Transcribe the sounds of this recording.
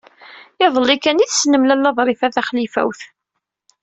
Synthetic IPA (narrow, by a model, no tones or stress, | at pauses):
ɪðˤəlikæniθsnəmlælːæðˤɾˤɪfæθæχlifæ̰wθ